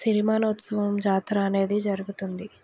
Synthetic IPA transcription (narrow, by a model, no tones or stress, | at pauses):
siɾimaːnɐut̪sɐʋɐmd͡ʒaːt̪ɾɐːne̞ːd̪id͡ʒɐɾuɡut̪und̪i